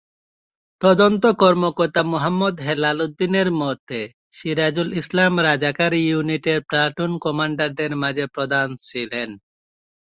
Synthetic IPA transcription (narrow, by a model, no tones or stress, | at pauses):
t̪ɔd̪ont̪okɔɾmokɔɾt̪amuɦamːɔd̪ɦelalud̪ːineɾmɔt̪ʰe | ʃiɾad͡ʑulislamɾad͡ʑakaɾijuniʈeɾpɾaʈunkɔmaɳɖaɾd̪eɾmad͡ʑepɾod̪ant͡ɕʰilen